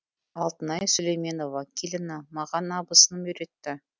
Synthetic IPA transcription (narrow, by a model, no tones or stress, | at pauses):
ɑlˠt̪ənɑjsʊlejme̞no̞vɑkʲʰilʲɪnɑmɑʁɑnɑbəsənmʏɾe̞t̪ːɪ